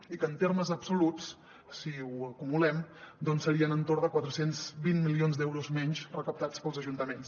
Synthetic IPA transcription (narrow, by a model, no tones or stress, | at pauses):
ikəːnt̪eɾməzəbsulut͡s | siuəkumulɛmd̪ɔnsːəɾiənənt̪oɾðəkwat̪ɾəsenzβinmilionzd̪ɛwɾuzmɛɲt͡ʃrəkəp̚t̪at͡spəlˠzəʒunt̪əmens